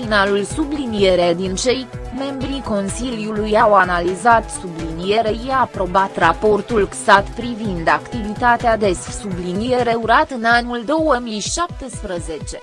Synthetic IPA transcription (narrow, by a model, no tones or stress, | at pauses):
inalulsublinije̞ɾed̪int͡ʃe̞jme̞mbɾiko̞nsilijulujawanalizat̪sublinije̞ɾejiaːpɾo̞bat̪ɾapo̞rt̪ulksat̪pɾivind̪akt̪ivit̪at̪ead̪e̞ssublinije̞ɾe̞uɾat̪ɨnanuld̪o̞wəmijʃap̚t̪espɾəze̞t͡ʃe̞